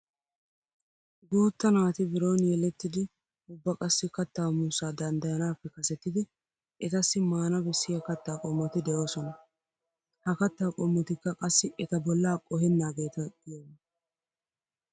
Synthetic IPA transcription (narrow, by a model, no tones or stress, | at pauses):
ɡuːt̪ːɐnaːt̪ɪbɪɾo̞ːnjɛlɛt̪ːɪd̪ɪ | ʊbːɐkʼɐsːɪkɐt̪ːaːmuːsaːd̪ɐnd̪ɐjɐnaːpːɛkɐsɛt̪ːɪd̪ɪ | ʔɛt̪ɐsːɪmaːnɐbɛsːɪjɐkɐt̪ːaːkʼɔmːɐt̪ɪd̪ɛjo̞ːsɔnɐ | hɐkɐt̪ːaːkʼɔmːɐt̪ɪkːɐkʼɐsːɪʔɛt̪ɐbɔlːaːkʼɔhɛnːaːɡe̞ːt̪ɐɡɪjon